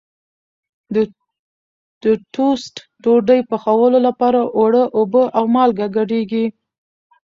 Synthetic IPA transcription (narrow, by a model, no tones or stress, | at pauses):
d̪ə | d̪̥ətusʈ | ʈoɖəjpəxawəlolapɑɾaʔoɽəʔobəʔawmɑlɡaɡaɖeɡi